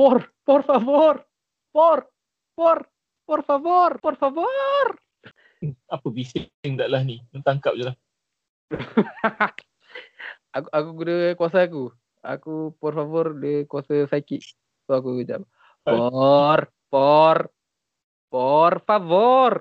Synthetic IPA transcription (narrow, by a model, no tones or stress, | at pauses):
pɔrpɔrfavɔr | pɔr | pɔr | pɔrfavɔrpɔrfavɔr | apəbisŋdaʔlahnimənt̪aŋkap̚d͡ʒulah | akuʔakuɡudəkuas̬aak̬u | a̰kupɔrfavɔrdəkuwasasakiʔ̚ | t̪uak̬ud͡ʒa̰p | pɔr | pɔr | pɔrfavɔr